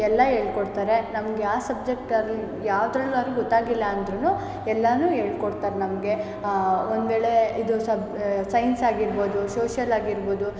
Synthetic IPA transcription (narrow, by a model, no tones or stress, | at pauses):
ɛlːɐɦe̞ːɭkoɽt̪aːɾe̞nɐmɐɡeaːsɐb̚d͡ʒek̚ʈɐɾli | jaːʋd̪ɾɐɭːuɐɾɡɔt̪ːaːɡilːɐɐnd̪ɾunuː | ɛlːɐnuːɦe̞ːɭkoɽt̪aːɾenɐmɐɡe̞ | ond̪ʋe̞ːɭe̞id̪usɐbsɐjnsaːɡiɾbo̞ːd̪usoːʃjɐlaːɡiɾboːd̪u